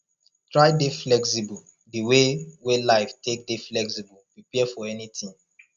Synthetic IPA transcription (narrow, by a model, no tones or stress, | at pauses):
tɹaɪdeflɛksibɔ | diwewelaɪftek̚deflɛksibəlpɹipiɛfɔɛnitĩŋ